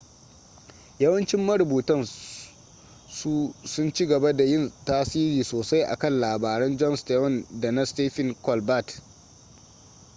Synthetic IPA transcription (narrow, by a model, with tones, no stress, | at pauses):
jɐ˦wɐ˦nt͡ʃɪ˦mːɐ˦ɽʊ˨buː˨tɐ˦n | su˦sʊ˦nt͡ʃi˦ɡɐ˨ba˦da˨jɪ˦˨ntaː˦siː˦ɾiː˨soː˨sa˦jʔa̰˨kɐ˦˨nlaː˨baː˨ɾɛ˦nd͡ʒɔ˦nsteː˦hɔ˦˨nda˨na˦steː˦ɸɪ˦˨ŋkɔ˨lba˦˨t